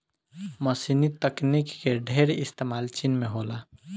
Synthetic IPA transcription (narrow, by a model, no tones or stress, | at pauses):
məsinit̪əknikːeɖʱeɾɪst̪emalt͡ʃinmeɦola